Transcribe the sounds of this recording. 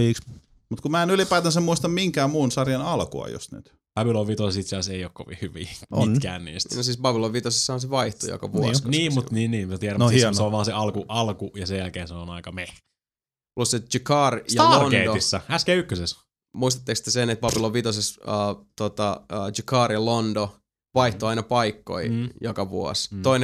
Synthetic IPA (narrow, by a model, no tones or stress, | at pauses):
iːks | mut̪kumæːenylipæit̪ɑnsemuist̪ɑmmiŋkæːmuːnsɑrjɑnɑlko̰ɑ̰jo̰st̪ny̰t̪ | pɑbiloʋʋit̪osesit̪sɑseioːkkoʋḭhhyʋḭːmint̪kæ̰ːnnḭːst̪nosiːsbɑpiloʋʋit̪osesːɑhɑnseʋɑiht̪ojo̰kɑ̰ʋukɑniːmmut̪niːnniːmmæt̪iæɾæmnhinseoʋʋɑːnseɑlkuʔɑlkujɑsejælkeːnseonɑikɑmeh | lust̪ːset̪t͡ʃikɑːrjɑloneːdoisːɑæskeykːøses | muis̬t̪e̥t̪ːekst̪ːesenet̪̚b̥ɑbiloʋʋit̪osesəːt̪ot̪ɑəːd͡ʒikɑːrjɑlondo | ʋɑiht̪oɑinɑpɑikːo̰ijokɑʋuo̰st̪oin